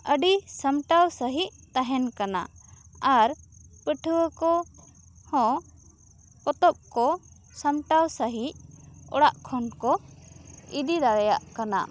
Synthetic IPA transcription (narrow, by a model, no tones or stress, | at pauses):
əɖisəmʈawsəɦiʔt̪aɦɛnkana̰aɾpəʈʰəwəkɔ | hɔ̃ | kɔt̪ɔp̚kɔ | səmʈawsəɦicɔ̰ɽaʔkʰɔnkɔ | id̪id̪aɾɛja̰ʔkana̰